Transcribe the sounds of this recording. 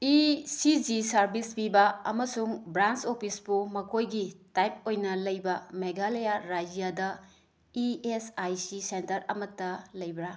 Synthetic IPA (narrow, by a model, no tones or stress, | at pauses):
isid͡ʒisɐɾbispibɐɐ̰mɐsuŋbɾant͡ʃopʰisbumɐkʰojɡitajp̚ojnɐlɐjbɐmeɡalejaɾad͡ʒijadɐ | iesajsisentɐɾɐ̰mɐtːɐlɐjbɾa